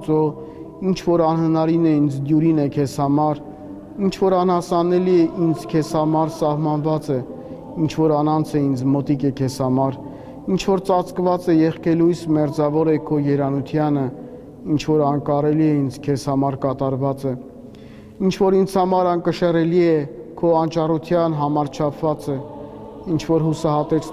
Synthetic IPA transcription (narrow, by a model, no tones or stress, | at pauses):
t͡sɔ | int͡ʃʰvɔɾɑnɦhənɑɾinɛind͡zd̪juɾinɛkʰɛshɑmɑɾ | int͡ʃʰvɔɾɑnhɑsɑnɛliɛʔind͡zkʰɛshɑmɑɾsɑhmɑnvɑt͡sɛ | int͡ʃʰvɔɾɑnɑnt͡sʰɛind͡zmɔt̪ikɛkʰɛshɑmɑɾ | int͡ʃʰvɔɾt͡sɑt͡skvɑt͡sɛjɛχkɛlujsmɛɾd͡zɑvɔɾɛkʰɔjɛɾɑnut̪ʰjɑnə | int͡ʃʰvɔɾɑŋkɑɾɛliɛind͡zkʰɛshɑmɑɾkɑt̪ɑɾvɑt͡sɛ | int͡ʃʰvɔɾint͡sʰhɑmɑɾɑnkəʃɛrɛliɛkʰɔɑnt͡ʃɑrut̪ʰjɑnɦɑmɑɾt͡ʃʰɑpʰvɑt͡sɛ | int͡ʃʰvɔɾɦusɑɦɑt̪ɛt͡sʰ